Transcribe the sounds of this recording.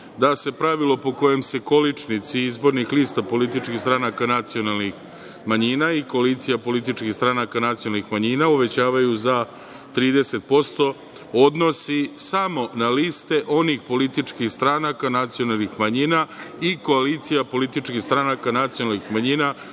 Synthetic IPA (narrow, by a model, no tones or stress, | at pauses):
d̪ase̞pɾaʋilˠo̞po̞ko̞jemse̞ko̞lit͡ʂnit̪siizbo̞ɾnixliːst̪apo̞lit̪it͡ʃkixst̪ɾanakanat̪sio̞nalnix | maɲinaiko̞aliːt̪sijapo̞lit̪̬it͡ʃkixst̪ɾanakanat̪sionalnixmaɲinauʋe̞t͡ɕaːʋajuza | t̪ɾiːd̪e̞se̞t̪̚po̞st̪o̞ | o̞d̪no̞sisamo̞naliːst̪e̞ʔo̞nixpo̞lit̪it͡ʃkixst̪ɾanakanat̪sijo̞nalˠnixmaɲiːnaiko̞alit̪sijapo̞lit̪it͡ʃkist̪ɾanakanat̪sijonalnixmaɲiːna